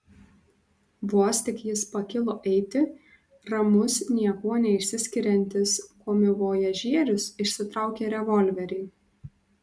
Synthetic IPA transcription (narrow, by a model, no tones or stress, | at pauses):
ʋuɔsʲt̪ʲɪkjɪspɐkʲɪlˠoːʔɛɪt̪ʲɪ | ɾɐmʊsnʲiɛkuɔnʲɛɪʃʲsʲɪsʲkʲɪɾʲɛnʲt̪ʲɪskoːmʲɪʋoːjɛʒʲiɛɾʲʊsɪʃʲsʲɪt̪ɾɑˑʊkʲeːɾʲɛʋɔlʲʋʲɛɾʲɛɪ